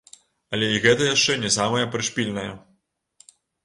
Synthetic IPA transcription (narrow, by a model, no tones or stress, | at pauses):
ɐlʲɛiɣɛt̪ɐjaʂt͡ʂɛnʲɛsamɐjɐpɾɨʂpʲilʲnɐjɐ